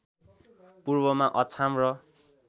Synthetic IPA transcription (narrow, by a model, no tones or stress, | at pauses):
purbʌmaʔʌt͡sʰamrʌ